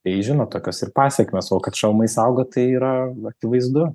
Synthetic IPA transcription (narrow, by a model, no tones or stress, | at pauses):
t̪ɐɪʒʲɪnoːt̪oːkʲoːsɪrpɑːsʲɛkmʲeːsoːkɐt̪ʃʲɛlˠmɐɪsɐʊɡot̪ɐɪiːɾɐɐkʲɪʋɐɪzd̪ʊ